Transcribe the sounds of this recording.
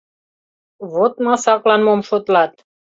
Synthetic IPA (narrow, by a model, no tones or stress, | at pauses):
vot̪mãsaklanmɔmfot̪lat̪